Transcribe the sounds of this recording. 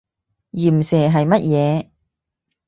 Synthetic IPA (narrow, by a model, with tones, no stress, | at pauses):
jiː˨˩m̩˨sɛː˨˩ɦɐ˨jmɐ˥t̚jɛː˨˧